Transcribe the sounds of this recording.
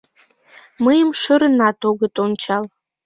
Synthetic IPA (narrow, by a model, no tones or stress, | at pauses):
məjəmʃəɾənɑt̪oɣət̪ont͡ɕɑl